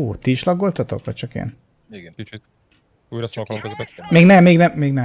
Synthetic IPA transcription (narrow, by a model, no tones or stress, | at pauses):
oːt̪iʃlɒɡːo̞lt̪ɒt̪o̰kʋɒ̰c̚t͡ʃɒkḛːn | kit͡ʃi | uɾskkmeːɡnɛmːeːɡnɛmːeːɡnɛ